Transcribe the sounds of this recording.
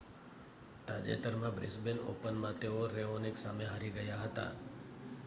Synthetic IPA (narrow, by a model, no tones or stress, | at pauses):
t̪ad͡ʒḛt̪əɾmãbɾɪ̰sbeno̰pənmãt̪eoɾeoneksameɦaɾiɡəjaɦət̪a̰